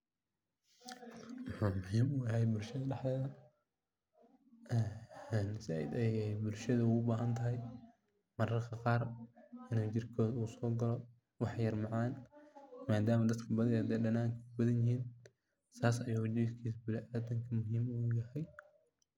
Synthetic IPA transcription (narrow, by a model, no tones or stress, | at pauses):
wɑħuːmʊɦiːmʊjɐɦɛjbʊlʃɐðɐɖɐħlɛːðɐ | ɛnsaːɪ̰d̪ɛjɛbʊlʃɐðɐuːʊbaːɦɐnt̪ʰɐɦɛj | mɐɾɐrkʰɐqɑːrɐnɪt͡ʃɪrkʰɔːðuːsɔːɡɐlɔ | wɑħjɐrmɑʕɑːnmaːd̪aːmɐd̪ɐd̪kʰɐbɐðɐjhɐd̪ɛːɖɐnaːŋkʰɐkʰʊbɐðɐnjɪɦiːn | saːsɐjʊːɣd͡ʒiːskʰiːsbɪlʔaːd̪ɐŋkʰɐmʊɦiːmujɐhɛj